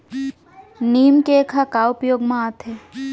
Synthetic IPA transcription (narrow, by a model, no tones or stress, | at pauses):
niːmkekʰakaːwpjoːɡmãat̪ʰe